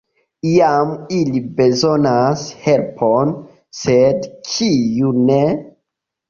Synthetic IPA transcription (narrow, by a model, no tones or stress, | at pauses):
ijamilibe̞zo̞nashelpʰon | sedt͡ʃijune